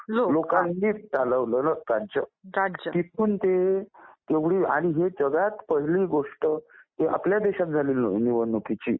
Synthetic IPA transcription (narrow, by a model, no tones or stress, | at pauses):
lolokãnːiːt͡saləʋləːnək̪ant͡ɕət͡ɕt̪it̪ʰuːnt̪et̪eʋɽiːaɽ̃iɦed͡ʑəɡat̪pəɦiliːɡoʂʈət̪eʔa̰pljad̪eɕat̪̚d͡zʱaliːlniʋənːukit͡ɕḭː